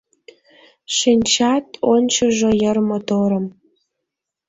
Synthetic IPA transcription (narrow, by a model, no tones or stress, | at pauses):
ʃinʲt͡ɕɑt̪onʲt͡ɕɤ̆ʒŏjə̆rmot̪oɾəm